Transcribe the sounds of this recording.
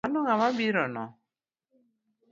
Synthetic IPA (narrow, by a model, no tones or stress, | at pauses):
anɔŋamabiɾɔnɔ̰